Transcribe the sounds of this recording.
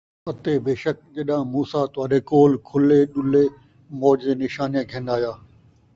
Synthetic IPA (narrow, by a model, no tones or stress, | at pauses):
ɐt̪eːbeːʃək̚ʄɐɗãmuːsat̪ʊʋaːɗeːkoːlkʰʊleːɗʊleː | moːd͡ʒenɪʃaːnijãɡʱẽːnd̪aːjaː